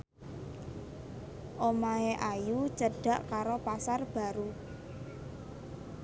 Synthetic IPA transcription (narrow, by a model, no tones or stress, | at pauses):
ʔomaeʔajut͡ʃəɖ̥a̤ʔkaɾopasarb̥a̤ɾu